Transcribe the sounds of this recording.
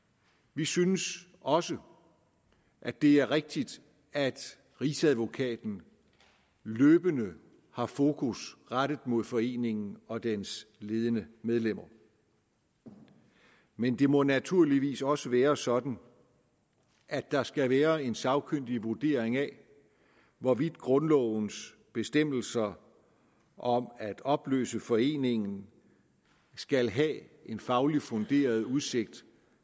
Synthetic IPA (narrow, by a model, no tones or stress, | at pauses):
ʋisynəs | ɒ̽sə | ʔæd̥e̝æɐʁeɡ̥̚d̥id̥ | æd̥ | ʁisæðˠʋo̝kʰɛ̰ːd̥n̩ | løːb̥ənə | hɑ̈fo̝ːkʰusʁaɾ̥əð̩ˠmo̝ð̞ˠfɒ̽e̝̰ːne̝ŋn̩ɒ̽d̥ensle̝ːð̞ˠənəmeð̞ˠlem̰ɐ | mend̥e̝mɔ̽næt͡sʰuɐ̰liʋḭːsɒ̽səʋæːɐsɒ̽d̥n̩ | ʔæd̥ɑ̈sɡ̥æʋæːɐe̝nsɑ̈ʊkʰøn̰d̥iʋuɐd̥e̝̰ɐ̰eŋæ | ʋɒʋid̥ɡ̥ʁɔ̽nlɒ̰ʊns | b̥e̝sd̥em̰l̩sɐ | ʔɒ̽mæd̥ɒ̽b̥lø̰ːsəfɒ̽e̝̰ːne̝ŋn̩ | sɡ̥ælɦɛe̝nfɑ̈ʊlifɔ̽nd̥e̝̰ːɐð̞̩ˠuð̞̩ˠse̝ɡ̥̚d̥